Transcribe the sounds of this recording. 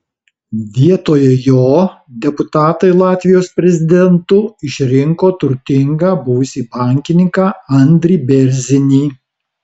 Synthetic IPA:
ʋʲiɛt̪oːjɛjoː | d̪ʲɛpʊt̪ɑːt̪ɐɪlˠɑːt̪ʲʋʲɪjoːspʲɾʲɛzʲɪd̪ʲɛnt̪ʊɪʃʲɾʲɪŋkoːt̪ʊɾʲt̪ʲɪŋɡɑːbʊʋʊsʲiːbɑːˑŋʲkʲɪnʲɪŋkɑɐnʲd̪ʲɾʲiːbʲɛɾʲzʲɪnʲiː

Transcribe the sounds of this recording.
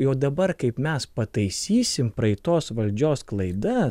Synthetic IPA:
joːd̪ɐbɐɾkɐɪpmʲɛspɐt̪ɐɪsʲiːsʲɪmpɾɐɪt̪oːsʋɐlʲd͡ʒʲoːsklˠɐɪd̪ɐ

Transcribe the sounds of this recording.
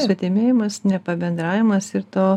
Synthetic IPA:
sɐt̪ʲemʲeːjɪmɐsnʲɛpɐbʲɛnd̪ɾɑːʋʲɪmɐsɪɾt̪oː

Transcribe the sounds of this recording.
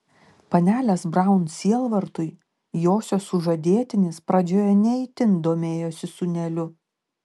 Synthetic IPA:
pɐnʲæːlʲɛsbɾɐˑʊnsʲiɛlˠʋɐɾt̪ʊj | joːsʲoːsʊʒɐd̪ʲeɛt̪ʲɪnʲɪspɾɐd͡ʒʲoːjɛnʲɛɪt̪ʲɪnd̪oːmʲeːjoːsʲɪsʊnʲɛlʲʊ

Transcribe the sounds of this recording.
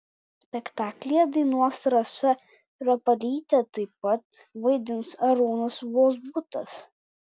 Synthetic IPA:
sʲpʲɛkt̪ɑːklʲɪjɛd̪ɐɪnuɔsɾɐsɐ | ɾɐpɐlʲiːt̪ʲɛt̪ɐɪpɐt̪ | ʋɐɪd̪ʲɪnsɐɾoːnʊsʋoːzbʊt̪ɐs

